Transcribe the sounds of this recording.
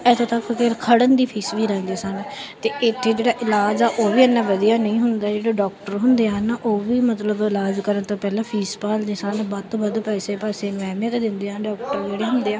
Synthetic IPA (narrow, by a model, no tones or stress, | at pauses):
ɛt̪ʰoːt̪əkːkeɾkʰəɽənd̪iːpʰiːsʋiːɾɛ̃ːnd̪iːsənt̪eːʔɪt̪ʰːeːd͡ʒeːɽaːʔɪlaːd͡ʒaːʔoːʋiːənːãːʋəd̪ijaːnəĩːɦʊnd̪aːd͡ʒeːɽaːɖɔːkʈəɾɦʊnd̪eːaːnaʔoːʋiːmət̪ləbɪlaːd͡ʒkəɾənt̪oːpɛːlãːpʰiːspaːld̪iːsənbat̪oːbəd̪pɛːseːpaːseːnɛːmẽt̪eːd̪ɪnd̪eːaːɖɔːk̚ʈəɾd͡ʒeːɽeːɦʊnd̪eːaː